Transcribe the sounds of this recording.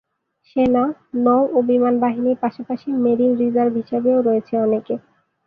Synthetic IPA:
ʃenanowʔobimanbaɦiniɾpaʃapaʃimeɾinɾizaɾbɦiʃebeoɾɔet͡ɕʰeɔneke

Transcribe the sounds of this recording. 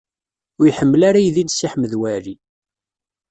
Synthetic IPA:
jħəmːəlaɾajðinsiħməðwæɾi

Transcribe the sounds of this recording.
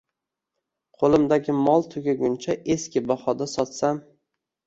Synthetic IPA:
qʰolˠɪmd̪aɡʲɪmɒlˠt̪ʰʊɡʲaɡʲʊnt͡ʃʰaʔeskʲɪbɒhɒd̪asɒt̪sam

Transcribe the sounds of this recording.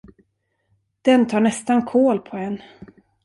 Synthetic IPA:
d̪̥ɛnt̪ʰɑːɳɛst̪ankʰoːlpʰɔɛnː

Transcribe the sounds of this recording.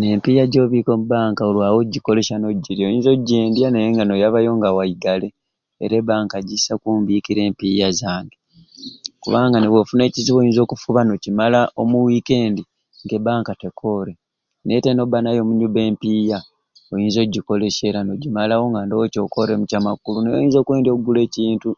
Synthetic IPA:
ne̞mpijaɟo̞ːβikomubaːŋkaolwaːwo̞ɟːiko̞le̞ʃano̞ɟiɾiojiːnzo̞ɟeːndjanejeŋɡano̞jaβajo̞ŋɡawaiɡale̞̰ː | ɾebaːŋkaɟisakuːmbiːkiɾe̞ːmpijazaːŋɡe | kuβaːŋɡaneβwofune̞ːciziβojiːnzo̞ːkufuβano̞cimalaʔo̞muwike̞ːndi | ŋɡe̞baːŋkate̞kʰo̞ɾe | ne̞teno̞banajo̞ːmuɲubeːmpiːja | o̞jiːnzo̞ɟːiko̞leʃe̞ɾano̞ɟimalawo̞ŋɡandowoco̞ko̞ɾe̞mucamakulunejo̰jiːnzo̞ːkwe̞ːndiokɡule̞ːciːntu

